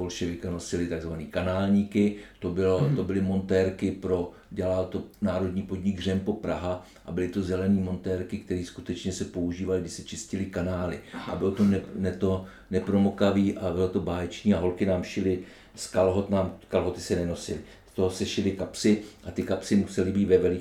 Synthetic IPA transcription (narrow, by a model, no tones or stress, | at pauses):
ɦo̞lʃɛvɪkano̞sɪlɪt̪aɡzvaniːkanaːlɲiːkɪt̪obɪlot̪o̞bɪlɪmo̞nt̪ɛɾkɪpɾo̞ | ɟɛlalt̪onaːɾo̞dɲiːpo̞dɲɪɡr̝ɛmpo̞pɾaɦa | ʔa̰bɪlɪt̪o̞zɛlɛniːmo̞nt̪ɛːɾkɪkt̪ɛɾiːskut̪ɛt͡ʃɲɛsɛpo̞uʒiːvalɪɡdɪsɛt͡ʃɪscɪlɪkanaːlɪʔa̰bɪlot̪onɛnɛt̪o | nɛpɾo̞mokaviːʔabɪlot̪obaːjɛt͡ʃɲiːaɦo̞lkɪnaːmʃɪlɪ | skalɦot̪naːmkalɦo̞t̪ɪ̥sɛnɛno̞sɪlɪ | st̪oɦosɛʃɪlɪkapsɪʔat̪ɪkapsɪmusɛlɪbiːt̪vɛvɛlɪ